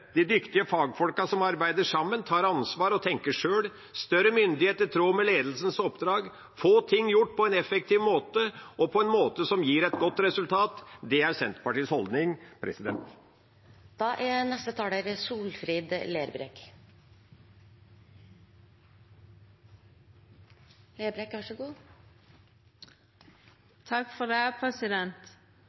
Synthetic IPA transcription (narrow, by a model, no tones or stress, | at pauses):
d̪̥ɪd̪ʏkt̪ɪəfɑːɡfɔlkɑsɔmɑɾbæɪd̪əʂɑmːənt̪ʰɑːɾɑnsʋɑːɾɔt̪ʰɛŋkəʂøːl | st̪œɾəmʏnd̪ɪheːt̪ət̪ʰɾuːmɛleːd̪l̩sən̩sɔpd̪ɾɑːɡ | foːt̪ʰɪŋːjʊʈːpʰɔɛnɛfɛk̚t̪ʰiːʋmoːt̪əɔpʰɔɛnmoːt̪əsɔmjiːɾɛt̪ɡɔt̪ːɾɛsʉlt̪ʰɑːt̪d̪ɛæɾsɛnt̪pɑʈiːəshɔld̪nɪŋpʰɾʔɛ̰sɪd̪ɛ̰nt̪ | d̪̥ɑʔænɛst̪ət̪ʰɑːɖəɾsuːlfɾiːd̪leːɾbɾḛk | leːbɾekʋæʂəɡuː | t̪ʰɑkːfɔd̪æpʰɾɛsɪd̪ɛnt̪